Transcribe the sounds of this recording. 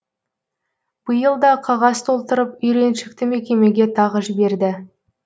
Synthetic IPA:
b̥əjəlˠd̪ɑqʰɑʁɑst̪ʰo̞lˠt̪əɾəpʏjɾe̞nʃɪkt̪ɪme̞kʲe̞me̞ɡʲe̞t̪ʰɑʁəʒɪbe̞ɾd̪ɪ

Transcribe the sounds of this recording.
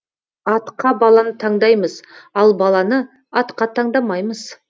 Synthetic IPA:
ɑt̪qɑbɑlˠɑnət̪ʰɑɴd̪ɑjməzɑlˠbɑlˠɑnə | ɑt̪qɑt̪ʰɑɴd̪ɑmɑjməz̥

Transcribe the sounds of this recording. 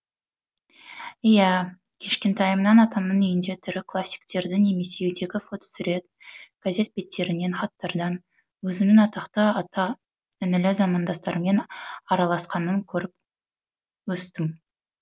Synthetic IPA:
ijæ | kʲʰe̞ʃkʲe̞nt̪ʰɑjəmnɑnɑt̪ɑmnənʏjɪnd̪e̞t̪ʰʏɾɪkʰlˠasʲːi̥kt̪e̞ɾd̪ɪne̞me̞se̞ujd̪e̞ɡʲɪfo̞t̪o̥sʏɾe̞t̪ | ɡ̥aze̞t̪̚be̞t̪ʰːe̞ɾɪne̞nχɑt̪ːɑɾd̪ɑn | wɵzɪmnɪŋɑt̪ɑqt̪əɑt̪ɑ | ɪnɪlɪzɑmɑnd̪ɑst̪ɑɾəme̞nɑɾɑlˠɑsqɑnəŋkʲʰɵɾɪp̚ | wɵst̪ɪm

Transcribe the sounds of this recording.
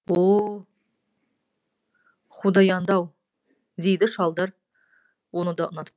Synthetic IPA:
wo | χud̪ɑjɑnd̪ɑw | d̪ejd̪ɪʃɑlˠd̪ɑɾ | wo̞nəd̪ɑə̰nɑt̪ə̥

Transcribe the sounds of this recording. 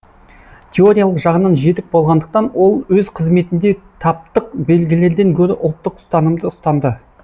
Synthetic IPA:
t̪ʲʰe̞o̞ɾʲijalˠəqʒɑʁənɑnʒe̞t̪ɪk̚bo̞lˠʁɑnd̪əq̚t̪ɑnwo̞lˠwɵzqʰəzme̞t̪ɪnd̪e̞t̪ʰɑp̚t̪əq̚be̞lɡʲɪle̞ɾd̪e̞ŋkʲʰɵɾɪʔʊlˠt̪ːəqʊ̥st̪ɑnəmd̪əʊst̪ɑnd̪ə

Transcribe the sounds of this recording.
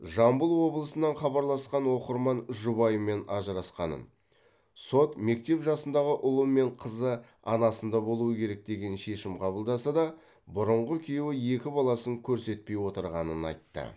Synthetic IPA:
ʒɑmbəlˠwo̞blˠəsənɑɴχɑbɑɾlˠɑsqɑnwo̞qəɾmɑnʒʊbɑjəmːe̞nɑʒəɾɑsqɑnə̰n | so̞t̪me̞k̚t̪e̞pʒɑsənd̪ɑʁəʔʊlˠəmːe̞ɴqʰəzə | ɑ̰nɑsənd̪ɑbo̞lˠuwəkʲʰe̞ɾe̞k̚d̪e̞ɡʲe̞nʃe̞ʃɪmqʰɑbəlˠd̪ɑsɑd̪ɑ | bʊɾəɴʁəkʲʰijewɪje̞kʲɪbɑlˠɑsəŋkʲʰɵɾse̞t̪̚pe̞jwo̞t̪əɾʁɑnənɑ̰jt̪ːə̰

